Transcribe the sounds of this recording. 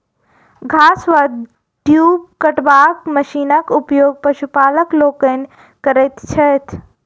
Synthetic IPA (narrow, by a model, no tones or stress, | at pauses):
ɡʱaːsʋad̪ | ʈjuːb̚kɐʈʋaːkmɐʃiːnəkʊpjoːɡ̚pɐʃupaːləkloːkən | kɐɾet̪t͡ʃʰɐt̪ʰ